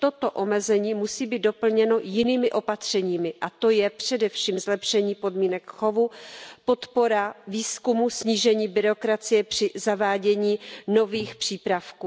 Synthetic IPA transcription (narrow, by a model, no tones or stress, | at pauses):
t̪o̞t̪oʔo̞mɛzɛɲiːmusiːbiːt̪̚do̞pl̩ɲɛno̞jɪniːmɪʔo̞pat̪r̝̥ɛɲiːmɪʔat̪o̞jɛpr̝̥ɛdɛfʃiːmzlɛpʃɛɲiːpo̞dmiːnɛkxo̞vupo̞t̪po̞ɾaviːskumusɲiːʒɛɲiːbɪɾo̞kɾat͡sɪjɛpr̝̥ɪzavaːɟɛɲiːno̞viːxpr̥iːpɾafkuː